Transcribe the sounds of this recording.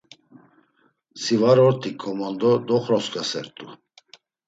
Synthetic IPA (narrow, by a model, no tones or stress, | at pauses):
sivaɾɔɾt̪ʰʼikʰɔmand̪ɔd̪ɔχɾɔskʼasɛ̰ɾt̪ʼu